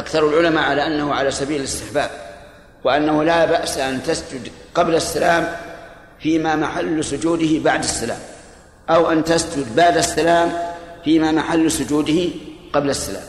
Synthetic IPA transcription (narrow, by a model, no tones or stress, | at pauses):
ʔakθɑɾˤalʕʊlamaʕalaːʔanːahʊʕalaːsabiːlɪlɪst̪ɪħbaːb̚ | wɪʔanːahʊlaːbaʔsaʔant̪asd͡ʒʊd̪qɑblasːalaːm | fiːmaːmaħalːsʊd͡ʒuːd̪ɪhɪbaʕd̪asːala̰ːm | ʔawʔant̪asd͡ʒʊd̪baʕd̪asːalaːmfiːmamaħalːsʊd͡ʒuːd̪ɪhɪqɑblasːala̰ːm